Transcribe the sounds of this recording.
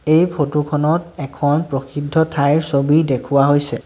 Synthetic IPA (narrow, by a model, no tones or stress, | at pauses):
ejpʰotukʰɔnɔtɛkʰɔnpɹoxidʱːɔtʰajɹsobidekʰuwaɦojsɛ